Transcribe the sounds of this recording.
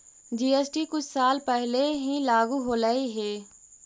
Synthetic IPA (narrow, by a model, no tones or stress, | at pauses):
d͡ʒiːesʈikʊt͡ʃʰsaːlpɛɦleɦilaːɡuɦoːləiɦeː